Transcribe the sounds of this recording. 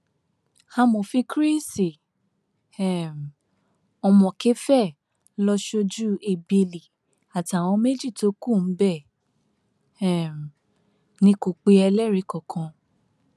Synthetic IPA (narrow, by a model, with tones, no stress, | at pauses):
hã˧mo˨fĩ˧kɾi˦si˨ | ɛ˨m˨ | ɔ˧mɔ̃˨ke˦fɛ˦˨ | lɔ˧ʃo˧d͡ʒu˦e˨be˧˨li˨ | a˨ta˨w̃ɔ̃˧me˦d͡ʒi˦˨to˨˦ku˦˨n̩˨˦bɛ˦˨ | ɛ˦˨m˨ | nĩ˧˦ko˨k͡pe˧ɛ˧lɛ˦ɾi˨˦kɔ˨kʰã˧